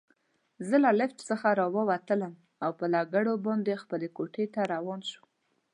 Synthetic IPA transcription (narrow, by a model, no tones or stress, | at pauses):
zəlalɪft͡ʃsəxaɾɑwəwat̪ələm | awpəlaɡaɽobɑnd̪expəlekoʈʰet̪aɾawɑnʃu̥